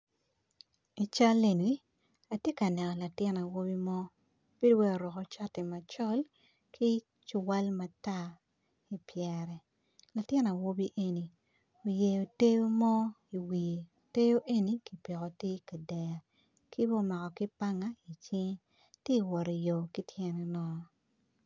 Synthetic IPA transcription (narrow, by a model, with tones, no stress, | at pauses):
i˨t͡ʃa˦le˨ni˦ | a˨tje˦ka˨nɛ˨nɔ˨la˨tjɪ˦na˨wo˦bi˦mɔ˦ | b̥e˦dwɛ˦o˨ɾɔ˨kɔ˨t͡ʃa˦tɪ˨ma˨t͡ʃɔ˦l | kʰi˦ | t͡ʃʊ˨wa˦lma˨ta˦ | i˨pjɛ˨ɾɛ˨ | la˨tjɪ˦na˨wo˦bi˦ʔe˦ni˨ | o˨je˨jo˨te˦jo˦mɔ˦ | i˨wi˨je˨te˦jo˦ʔe˦ni˨ki˨pi˨kɔ˨ti˦ka˨dɛ˨ja˨ | ki˦bɔ˦ma˨kɔ˨ki˦pa˦ŋa˦i˨t͡ʃɪ˦ŋ | te˦i˨wɔ˨ɾi˨jo˨ki˦tʰjɛ˦nɛ˦nɔ˦